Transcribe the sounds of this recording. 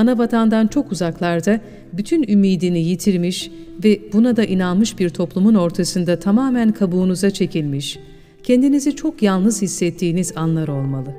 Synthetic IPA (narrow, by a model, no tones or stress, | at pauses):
anavat̪ʰand̪ant͡ʃʰo̞kuzaklˠaɾd̪a | byt̪ʰynymiːd̪inijit̪ʰiɾmiʃ | vɛbunad̪aʔinanˠmɯʃbiɾt̪ʰo̞plˠumuno̞ɾt̪ʰasɯnd̪at̪ʰamaːmænkʰabuːnuzat͡ʃʰe̞cʰilʲmiʃ | cʰend̪inizit͡ʃʰo̞kjalˠnɯz̥hisːɛt̪ʰːiːnizanlˠaɾo̞lˠmalˠɯ